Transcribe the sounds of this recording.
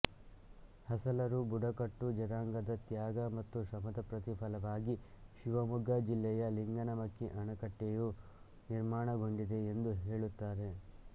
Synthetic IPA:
hɐsɐlɐɾubuɖɐkɐʈːud͡ʒɐɾaːŋɡɐd̪ɐt̪jaːɡɐmɐt̪ːuʃɐmɐd̪ɐpɾɐt̪ipʰɐlɐʋaːɡiʃiʋɐmuɡɐd͡ʒilːɛjɐliŋɡɐnɐmɐkːiʔɐɳɐkɐʈːeju | niɾmaːɳɐɡo̞ɳɖid̪e̞end̪uɦe̞ːɭut̪ːaːɾe̞

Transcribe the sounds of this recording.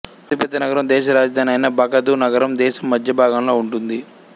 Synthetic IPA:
ɐt̪ipɛd̪ːɐnɐɡɐɾɐmd̪ɛːʃɐɾaːd͡ʒɐd̪ʱaːniɐjnɐbʱɐɡɐd̪unɐɡɐɾɐmd̪ɛːʃɐmːɐd̪ʱjɐbʱaːɡɐnlo̞ːuɳʈund̪i

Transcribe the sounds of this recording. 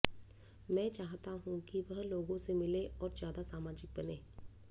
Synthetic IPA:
mɛ̃ːt͡ʃaːɦt̪aɦũkiʋɐɦloːɡõsemɪleʔɔːɾzjaːd̪asaːmaːd͡ʒɪk̚bɐneː

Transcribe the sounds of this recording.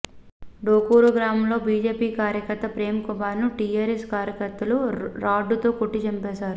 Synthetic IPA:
ɖoːkuːɾuɡɾaːmɐmlo̞ːbiːd͡ʒeːpiːkaːɾjɐkɐɾt̪ɐpɾeːmɐkubaːɾnuʈiːaːɾeskaːɾjɐkɐɾt̪ːɐluɾaːɖːut̪o̞ːkoʈːit͡ʃɐmpɛːsaːɾu

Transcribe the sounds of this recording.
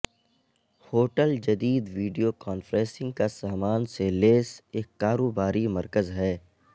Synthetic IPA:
hoːʈəld͡ʒɐd̪iːd̪ʋiːɖijokaːnfɾɛ̃ːsɪ̃ŋɡ̚kasaːmaːnseleːseːkːaːɾoːbaːɾimɐɾkəzɦɛː

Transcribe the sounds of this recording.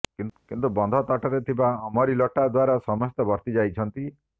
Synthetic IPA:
kinkint̪ubɔnd̪ʱɔt̪ɔʈɔɾet̪ʰibaɔmɔɾilɔʈad̪waɾasɔmɔst̪ɔbɔɾt̪id͡ʒajt͡ʃʰɔnt̪i

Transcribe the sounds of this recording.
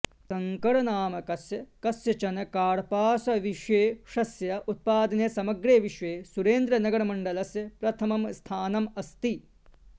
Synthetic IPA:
sɐŋkɐɽɐnaːmɐkɐsjɐkɐsjɐt͡ʃɐnɐkaːɽpaːsɐʋiʂeːʂɐsjɐʔut̪̚paːd̪ɐneːsɐmɐɡɾeːʋiʂʋeːsuɾeːnd̪ɾɐnɐɡɐɽɐmɐɳɖɐlɐsjɐpɾɐt̪ʰɐmɐmst̪ʰaːnɐmɐst̪i

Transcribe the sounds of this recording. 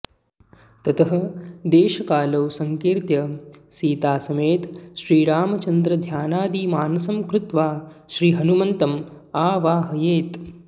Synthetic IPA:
t̪ɐt̪ɐɦɐ̆d̪eːʃɐkaːlɐwsɐŋkiːɾt̪jɐsiːt̪aːsɐmeːt̪ʃɾiːɾaːmɐt͡ʃɐnd̪ɾɐd̪ʱjaːnaːd̪iːmaːnɐsɐmkɾʊt̪ʋaː | ʃɾiːɦɐnumɐnt̪ɐm | aːʋaːɦɐjeːt̪

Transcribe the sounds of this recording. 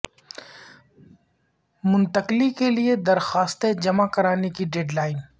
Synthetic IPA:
mʊ̃nt̪əqlikelied̪ɐɾxaːst̪ed͡ʒɐmakɐɾaːnekiɖeːɖlaːɪn

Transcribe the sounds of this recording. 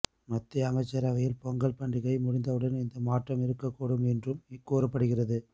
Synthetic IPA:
mɐt̪ːɪjɐɐŋɐɪt͡ʃːɐɾɐʋɐjɪlpɔŋɡɐɭpɐɳɖɪɣɐɪmʊɽɪnd̪ɐʋɯɽɐnɪnd̪ɐmaːʈrɐmɪɾɯkːɐkːuːɽɯmɛndrɯmɪkːoːɾɐpːɐɽɯɣɪrɐðɯ

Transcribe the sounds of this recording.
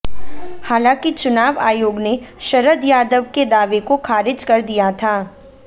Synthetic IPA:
haːlãːkit͡ʃʊnaːʋa̰ːjoːɡneʃɐɾəd̪jaːd̪əʋked̪aːʋekokʰaːɾɪd͡ʒkɐɾd̪ijat̪ʰaː

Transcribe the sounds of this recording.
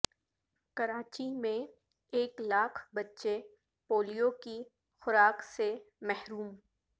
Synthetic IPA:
kɐɾaːt͡ʃimẽ | eːklaːkʰbɐtːʃe | poːlijoki | xʊɾaːksemɛɦɾuːm

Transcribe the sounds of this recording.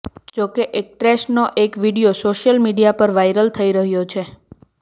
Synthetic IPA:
d͡ʒokeʔek̚ʈɾeʃnoʔekʋiɽijosoʃjəlmiɽijapəɾʋajɾəlt̪ʰəiɾəɦjot͡ʃʰe

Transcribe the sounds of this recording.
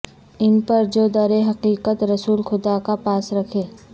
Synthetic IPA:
ɪnpɐɾd͡ʒoːd̪ɐɾeɦɐqiːqət̪ɾɐsuːlxʊd̪akapaːsɾɐkʰeː

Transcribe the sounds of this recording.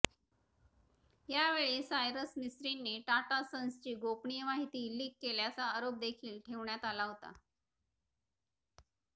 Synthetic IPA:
jaʋeɭesajɾəsnisɾinːeʈaʈasənst͡ɕiːɡopɳijəmaɦit̪iːliːkːeljat͡saːɾop̚d̪ekʰiːlʈʰeʋɳjat̪alaɦot̪a̰

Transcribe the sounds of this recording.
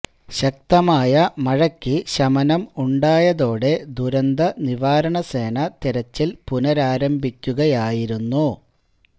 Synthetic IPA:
ɕɐk̚t̪ɐmaːjɐmɐɻɐkʲːiɕɐmɐnɐmuɳɖaːjɐðo̞ːɽe̞d̪uɾɐnd̪ɐniʋaːɾɐɳɐse̞ːnɐt̪iɾɐt͡ɕːilpunɐɾaːɾɐmbʱikʲːuɣɐjaːjiɾunːu

